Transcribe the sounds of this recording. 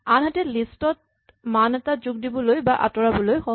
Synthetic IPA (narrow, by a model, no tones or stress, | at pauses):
anɦatɛlistɔt̚ | manɛtazuɡdibɔlojbaʔa̰tɔɹabɔlojxɔ